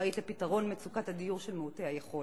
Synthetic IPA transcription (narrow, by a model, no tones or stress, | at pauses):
itlepitaʁo̞nmet͡sukathadijuʁʃelmeutehajeχo